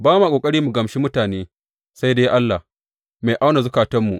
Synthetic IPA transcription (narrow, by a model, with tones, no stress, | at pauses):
baː˦ma˨kʷʼoː˨kʼɐ˦ɽiː˦mu˨ɡɐ˨mʃiː˦mʊ˦taː˨neː˦ | sa˦jdeː˦jʔa˦lːa˨h | ma˨ʔa˦wna˨zʊ˦kaː˨tɐ˦mːu˨ʔ